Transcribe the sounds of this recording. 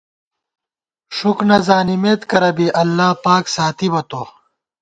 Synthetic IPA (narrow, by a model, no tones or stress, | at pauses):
ʂuknɐzaːnimeːt̪kɐɾɐbiʔɐlːaːpaːksaːt̪ibɐt̪oː